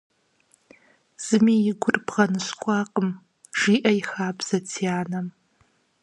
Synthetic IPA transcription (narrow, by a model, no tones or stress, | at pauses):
z̥ɨmijɪɡʷʊrbʁɐnɨɕkʷʼɑːqʼəm | ʒ̥iːʔɐjxaːbz̥ɐtʰiaːnɐm